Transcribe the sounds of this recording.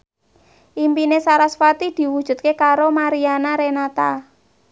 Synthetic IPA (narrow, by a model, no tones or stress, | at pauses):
ʔimpinesaɾasfat̪id̪̥i̤wud̥ʒ̥ṳt̪̚kekaɾomaɾianaɾenat̪a